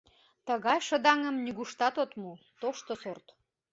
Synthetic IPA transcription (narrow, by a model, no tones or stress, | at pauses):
t̪əɣɑjʃəd̪ɑŋəmnyɣuʃt̪ɑt̪ot̪mu | t̪oʃt̪osort̪